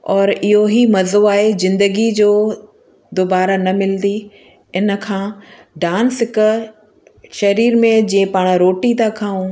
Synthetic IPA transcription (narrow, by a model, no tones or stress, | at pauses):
ɔːɾɪɦoɦimɐzoaːɦezɪ̃nd̪əɡid͡ʑoː | d̪oːbaːɾanɐmɪld̪i | ɪnə̆kʰãː | ɖãːnsɪkə̆ | ʃɐɾiːɾmẽd͡ʑĩẽpaːɽ̃ɾoːʈit̪akʰãːũː